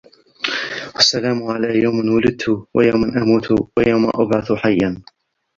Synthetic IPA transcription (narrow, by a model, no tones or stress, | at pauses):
ʔasːalaːmʕalaːjawmanwʊlɪd̪̚t̪ʰʊwa̰jawmanʔamuːt̪ʰʊwajawma̰ʔabʕaθħajːan